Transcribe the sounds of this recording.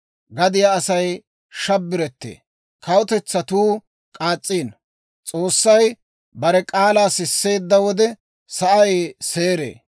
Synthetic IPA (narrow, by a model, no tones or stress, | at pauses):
ɡɐd̪ɪjaɐsɐj | ʃɐbːɪɾɛt̪ːḛː | kɐwʊt̪ɛt͡sːɐt̪uː | kʼaːt͡sʼːiːn | t͡sʼo̞ːsːɐj | bɐɾɛkʼaːlaːsɪsːe̞ːd̪ːɐwɔd̪ɛ | sɐʔɐjse̞ːɾḛː